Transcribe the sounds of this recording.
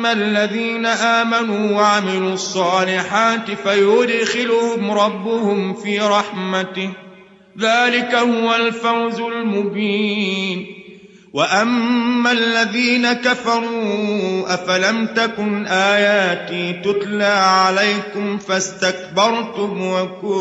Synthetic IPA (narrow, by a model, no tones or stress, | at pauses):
alːaðiːnaʔaːmanuːwaʕamɪluːɑsˤːɑːlɪħaːt̪ɪfajʊd̪xɪlʊhʊmɾˤɑbːʊhʊmfiːɾˤɑħmat̪ɪ | ðaːlɪkahʊwalfawzʊlmʊbiːn | waʔamːalːaðiːnakafɑɾˤuːʔafalamt̪akʊnʔaːjaːt̪iːt̪ʊt̪laːʕalajkʊmfast̪ak̚bɑɾˤt̪ʊmwakʊ